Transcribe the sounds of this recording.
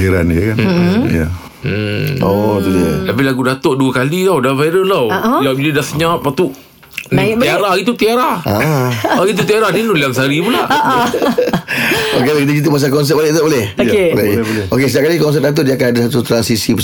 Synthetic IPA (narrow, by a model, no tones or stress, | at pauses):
iɾa̰nəkanja̰ | ot̪udəlapilaɡudat̪oʔduakalit̪awdafaɾəlawʔjabilidasəɲap̚at̪uʔ | niiaɾahɡit̪̬ut̪iaɾahaaɡit̪̬ut̪iaɾahninuliaŋsaɾipula̰ | okelaid̪id͡ʒit̪̬umas̬akɔns̬ɛt̚p̚boleʔt̪abolɛhebolɛokesət̪iaʔkalikɔns̬ɛp̚at̪̬udiakanadasat̪ut̪ɾansisip